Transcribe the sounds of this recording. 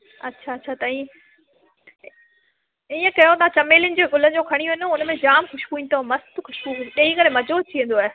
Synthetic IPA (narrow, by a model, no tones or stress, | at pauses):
ɐtːɕʰaɐtːɕʰat̪ɐĩ | iːə̃kɐjot̪ãt͡ɕɐmeːlʊnɪ̆d͡ʑeːɡʊlən̆d͡ʑoːkʰɐɽ̃iuʋeːnoʊnmẽd͡ʑaːmxʊʃbuĩːnt̪ʰomɐst̪xʊʃbuɗɐ̃ːĩkɐɾemɐd͡ʑoːt͡ɕʰiə̃n̆d̪oaːɦe